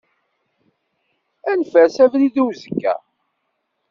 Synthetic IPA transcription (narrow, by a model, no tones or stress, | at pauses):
ænfæsævliðuwzəkːæ̰